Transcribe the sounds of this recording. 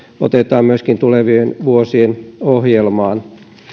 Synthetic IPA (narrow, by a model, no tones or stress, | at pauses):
o̰t̪et̪ˑɑːmmyøskint̪uleʋienʋuosienohjelmɑːn